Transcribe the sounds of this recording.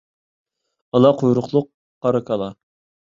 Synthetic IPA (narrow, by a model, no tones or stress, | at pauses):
ɑlˠɑqʰojɾʊqlˠʊqː | ɑɾɑkʰɑlˠɑ